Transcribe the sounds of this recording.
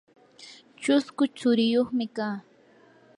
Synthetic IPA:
t͡ʃʊskʊt͡sʊɾɪjoχmɪkaː

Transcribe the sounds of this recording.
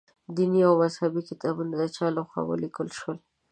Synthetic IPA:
d̪iniawmazhabikɪt̪ɑbunad̪ət͡ʃɑloxwa̰wə̰likəlʃwəl

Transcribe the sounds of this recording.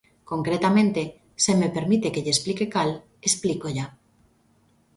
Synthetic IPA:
koŋkɾet̪amẽnt̪e | semepeɾmit̪ekeʎesplikekal | esplikoʎa

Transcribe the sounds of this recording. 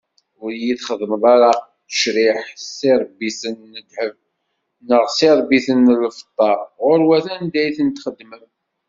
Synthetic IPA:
ʊɾjiθχəðməðˤɑɾɑ | ə̥ʃɾɪħsiɾˤbːisənːəd̪həv | nəʁsɪɾˤbiθənːlfə̥t̪ˤːɑɾˤʁʊɾwæθænd̪æjθənt̪χəd̪ːməm

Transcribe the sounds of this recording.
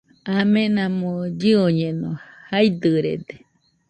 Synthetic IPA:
amenamod͡ʒɨoɲenohajd̪ɯɾḛd̪e

